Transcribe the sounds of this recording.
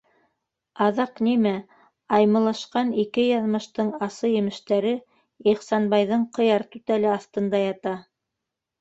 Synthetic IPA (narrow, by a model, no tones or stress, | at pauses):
ɑðɑqnimæ | ɑjmɤ̆lˠɑʃqɑnikɘjɑðmɤ̆ʃt̪ɤɴɑsɤjɘ̆mɘ̆ʃt̪æɾɘ | iχsɑnbɑjðɤɴqɤ̆jɑɾt̪ʉt̪ælɘɑθt̪ɤ̆nd̪ɑjɑt̪ɑ